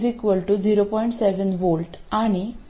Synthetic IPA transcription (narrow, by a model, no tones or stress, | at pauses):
zikʋəlʈud͡ʑiɾopɔiɳʈseʋənʋolʈaɽ̃i